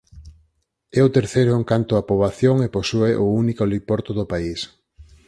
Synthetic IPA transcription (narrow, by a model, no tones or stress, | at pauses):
ɛʊt̪eɾθejɾʊeŋkant̪ʊapoβaθjoŋeposueʔounikolipɔɾt̪ʊðʊpais